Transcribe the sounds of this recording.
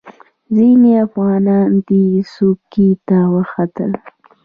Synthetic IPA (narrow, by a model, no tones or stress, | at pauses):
zineafɣɑnɑnd̪isukit̪awəxat̪ə̰l